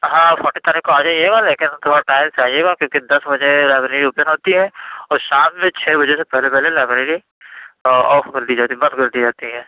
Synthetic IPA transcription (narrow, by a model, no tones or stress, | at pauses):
ɦãːfʰɔʈet̪ɐɾɛkoaːd͡ʒaːiɦeːɡaleːkɪnt̪ʰoːɾaʈaːɪlseaːieːɡakjõːkid̪ɐsbɐd͡ʒelɛːbɾeːɽiuːpənɦoːt̪iɦɛ̃ːɔːɾʃaːmːẽt͡ʃʰeːbɐd͡ʒesepɛɦlepɛɦlelɛːbɾeɽi | ɔːfɡəɾd̪id͡ʒaːt̪ibɐ̃d̪ɡɐɾd̪id͡ʒaːt̪iɦɛ̃ː